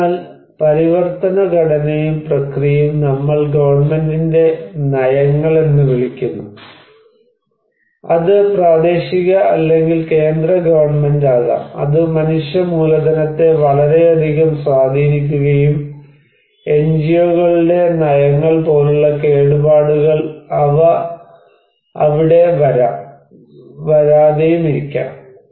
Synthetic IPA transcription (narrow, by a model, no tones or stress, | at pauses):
l | pɐɾiʋɐrt̪ɐnɐɡɐɽɐnejumprɐkrijɐmnɐmːɐɭɡɐʋɐrɳme̞ndinde̞nɐjɐŋːɐɭe̞nːɨʋiɭikʲːunːu | ɐðɨpraːd̪e̞ːɕiɣɐɐlːe̞ŋɡilke̞ːnd̪rɐɡɐʋɐrɳɐme̞ndaːɣɐ̰ɐ̰ðɨmɐnuʂjɐmuːlɐd̪ɐnɐt̪ːe̞ʋɐɭɐɾe̞ɐd̪ʱiɣɐmswaːd̪ʱiːnik̬ʲːuɣɐjum | e̞nd͡ʑijoːɣɐɭiɽe̞nɐjɐŋːɐɭpo̞ːluɭːɐke̞ːɽubaːɽuɣɐɭɐʋɐ | ɐʋiɽe̞ʋɐɾa | ʋɐɾaːðejumiɾikʲːa̰ːm